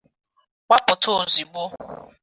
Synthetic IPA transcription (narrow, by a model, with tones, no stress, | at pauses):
k͡pa˦pʊ˨tʰo˦˨zi˨ɡ͡bo˦